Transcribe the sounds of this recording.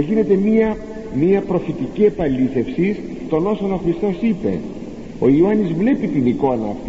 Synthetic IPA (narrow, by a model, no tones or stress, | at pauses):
ʝine̞t̪e̞miɐ | miɐpɾo̞fit̪icie̞pɐliθe̞fsis | t̪o̞no̞so̞no̞xɾist̪o̞sipe̞̰ | o̞ioɐnizvle̞pit̪iniko̞nɐːft̪